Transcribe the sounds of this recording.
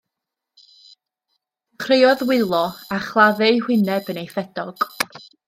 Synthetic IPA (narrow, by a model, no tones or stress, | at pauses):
χʰrejɔðwɪlˠɔaχlˠaðɨhwɪnɛbənejfɛdɔɡ̥